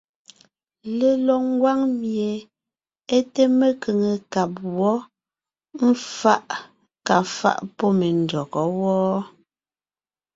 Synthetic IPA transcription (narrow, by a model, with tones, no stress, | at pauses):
le˨lɔ˨ŋ̩˦ɡwa˦ŋmje˨ | e˦te˦me˨ke˨ŋe˨ka˨p̚wɔ˦ | m̩˦fa˦ʔ | ka˨fa̰˦˨ʔpɔ˦me˨n˨dɔ˨kɔ˨˦wɔː˦